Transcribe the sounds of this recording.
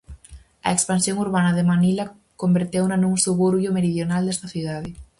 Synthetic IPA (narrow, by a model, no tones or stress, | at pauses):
ɐ̰ekspansjoŋuɾβanɐðemanila | kombeɾt̪ewnanũŋsuβuɾβjʊmeɾiðjonald̪est̪ɐθiðað̞e